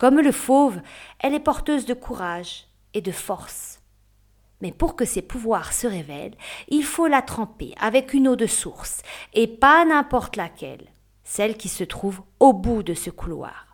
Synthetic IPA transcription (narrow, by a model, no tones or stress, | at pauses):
kɔmləfovɛlɛpɔʁt̪øzd̪əkʰuʁaʒ | ed̪əfɔʁs | mɛpuʁkəsepuvwaʁsəʁevɛ̰lilfolat̪χɑ̃pḛʔavɛkynod̪əsuʁsepanɛ̃pɔʁt̪lakʲɛ̰l | sɛlkʲisət̪χuvobud̪əsəkulwa̰ʁ